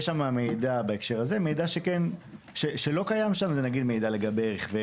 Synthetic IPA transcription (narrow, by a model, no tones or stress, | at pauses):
jeʃamamejdabaekʃe̞ʁaze̞me̞jdaʃeken | ʃeʃelo̞kajamʃamzenaɡid̪mejdale̞ɡabeʁiχve